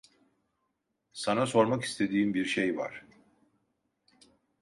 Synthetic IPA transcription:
sanaso̞ɾmaki̥st̪ʰe̞d̪iːimbiɾʃejva̰ɾ̥

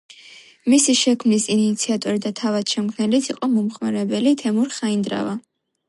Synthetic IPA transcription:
misiʃɛkʰmnisinit̪sʰiat̪ʼɔɾid̪at̪ʰavad̪̥ʃɛmkʰnɛlit̪ʰiqʼɔmɔmχmaɾɛbɛlit̪ʰɛmuɾχaind̪ɾa̰va

